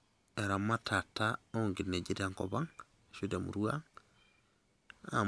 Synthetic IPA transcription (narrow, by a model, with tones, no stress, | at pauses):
e˨ɾa˨mːa˦tʰa˨tːa˦o˦ŋɡi˨nːe˨d͡ʒi˦da˨ŋko̰˨ba˦ŋ | ʃu˦de˨mṵ˨ɾu˦a˦ŋ | a̰˨